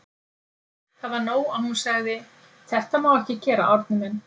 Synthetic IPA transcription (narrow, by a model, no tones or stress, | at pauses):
θaðvaɾnoːwawhunsaɣðɪ | θʰɛht̪amaːwɛhcɪcɛːɾa̰ʔɔɾt̪̚nɪmɪn